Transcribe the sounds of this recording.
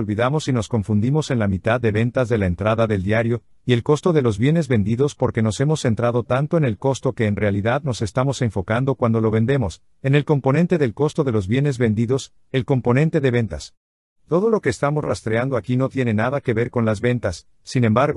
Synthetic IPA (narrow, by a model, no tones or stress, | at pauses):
lβiðamo̞sino̞sko̞ɱfund̪imo̞se̞nlamit̪aðːe̞βe̞nt̪azðe̞lae̞nt̪ɾaðaðe̞ld̪jaɾjo̞ | ie̞lko̞st̪o̞ðe̞lo̞zβje̞ne̞zβe̞nd̪iðo̞spo̞ɾke̞no̞se̞mo̞sːe̞nt̪ɾaðo̞t̪ant̪o̞e̞ne̞lko̞st̪o̞ke̞ːnrealiðaðno̞se̞st̪amo̞se̞ɱfo̞kand̪okwand̪o̞lo̞βe̞nd̪e̞mo̞s | e̞ne̞lko̞mpo̞nẽ̞nt̪e̞ðe̞lko̞st̪o̞ðe̞lo̞zβje̞ne̞zβe̞nd̪iðo̞s | e̞lko̞mpo̞nẽ̞nt̪e̞ðe̞βe̞nt̪a̰s | t̪o̞ð̞o̞lo̞ke̞ːst̪amo̞sra̰st̪ɾeand̪o̞akino̞t̪jene̞naðake̞βe̞ɾko̞nlazβe̞nt̪asː | ine̞mbaɾɣ